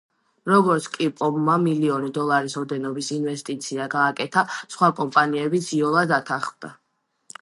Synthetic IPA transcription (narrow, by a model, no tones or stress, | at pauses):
ɾɔɡɔɾt̪sʰkʼipʼɔbmamiliɔnid̪ɔlˠaɾisɔd̪ɛnɔbisinvɛst̪ʼit̪sʰiaɡaːkʼɛt̪ʰasχwakʼɔmpʼaniɛbit̪sʰiɔlˠad̪d̪at̪ʰaχmd̪a